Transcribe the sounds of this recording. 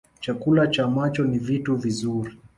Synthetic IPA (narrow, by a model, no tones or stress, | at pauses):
t͡ʃakulat͡ʃaːmat͡ʃɔnivituvizuɾi